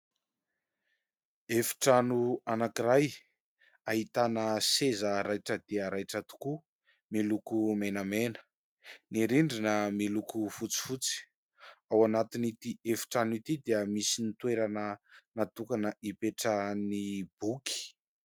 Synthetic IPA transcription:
efi̥ʈ͡ʂanuanakiɾaj | aɦit̪anəsezəɾajʈ͡ʂəd̪̥eəɾajʈ͡ʂət̪u̥ku | milukumenamenə̥ | niɾiɳɖ͡ʐinəmilukufut͡si̥fut͡si̥ | awanat̪init̪iefi̥ʈ͡ʂanit̪id̪eəmisinit̪weɾanənat̪ukanəʔipeʈ͡ʂənib̥ukʰi̥

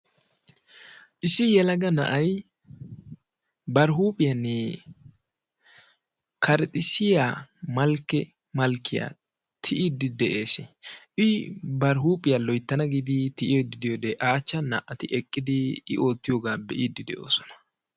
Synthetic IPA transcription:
ʔɪsɪjɛlɐɡɐnɐ̰ʔɐj | bɐɾɦuːpʼɪjɐnːɛ | kʰɐɾt̪ʼɪsɪjaːmɐlkːɛ | mɐlkːɪja̰ː | t̪ʰɪʔid̪ːɪd̪ɛʔeːsɛʔɪbɐɾɦuːpʼɪjalɔjt̪ːɐnɐɡɪd̪ɪt̪ɪʔɪjɔd̪ɪd̪ɪjod̪ɛʔaːt͡ʃːɐnɐʔɐt̪ɪʔɛkʼːɪd̪ɪ̰ːʔo̞ːt̪ːɪjoːɡaːbɛʔid̪ːɪd̪ɛ̰ʔo̞̰ːsɔ̥nɐ̥

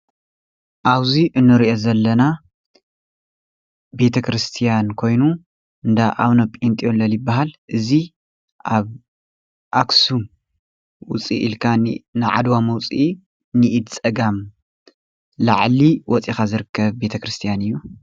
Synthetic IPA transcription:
ʔaβziʔɨnːɨɾiʔo̞zɐlːɐna | be̞t̪ʰɐkʰɾɨst̪ʰijankʰo̞jnu | ɨnd̪aʔaβnopʼint̪ʼijolɐljibːaɦalʔɨzi | ʔaβ | ʔaksum | wʊt͡sʼḭʔḭlkʰanɨʕa̰d̪wamɐwt͡sʼi | nɨʔid̪t͡sʼɐɡam | laʕliwɔt͡sʼixazɨɾɨkʰːɐβbe̞t̪ʰɐkɾɨst̪ʰijanɨjːu

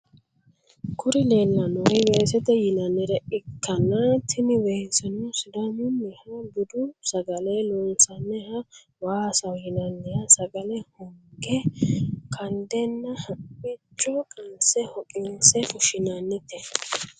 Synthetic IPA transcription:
kʰʊɾɪleːlːɐnɔɡɛwɛːsɛt̪ɛjɪnɐnːɛɾɛʔɪkʰːɐnɐt̪ʰɪmɪwɛsɐnʊsɪd̪omɪnːɛhɐbʊd̪ʊsɐɡɐlɛlɔnsɐnːɛhɐ | waːsɐwjɪnɐnːɛjɐsɐɡɐlɛhɔŋɡɛ | kʰɐnd̪ɛnːɐhɐɪt͡ʃʼːɔkʼɐnsɛhɔkʼɪnsɛfʊʃɪnɐnːɪt̪ɛ

